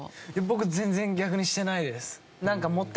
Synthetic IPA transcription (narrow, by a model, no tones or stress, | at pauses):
jabo̞kɯ̟zẽ̞nd͡zẽ̞ŋɡʲakɯ̟ɲ̟iɕi̥t̪e̞naid̪e̞sɨ̥ | nãŋkamo̞t̪ː